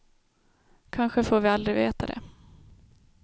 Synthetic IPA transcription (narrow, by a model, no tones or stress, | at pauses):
kʰanɧəfoːɾvɪald̪ɾɪveːt̪ad̪ɛ̰